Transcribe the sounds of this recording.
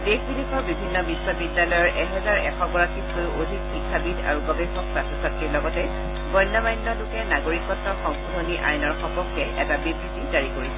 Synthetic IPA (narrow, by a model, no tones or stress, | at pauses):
dexbilikɔɹbibʱinːɔbiswɔbidjalɔjɔɹʔɛɦɛzaɹɛkʰɔɡɔɹakʰitkojodʱitxikʰːabida̰ɹuɡɔbɛxɔksasɔsatːiɹlɔɡɔtɛ | bɔjnːɔmajnːɔlukɛnaɡoɹikɔtːɔxɔŋkudʱoniʔa̰jnɔɹxɔpɔkːɛɛtabibisidaɹikoɹisɛ